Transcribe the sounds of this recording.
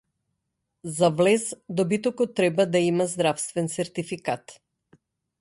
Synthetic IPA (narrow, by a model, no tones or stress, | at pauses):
zavlɛzd̪ɔbit̪ɔkɔt̪ːɾɛbad̪aimazd̪ɾafst̪vɛnsɛɾt̪ifikat̪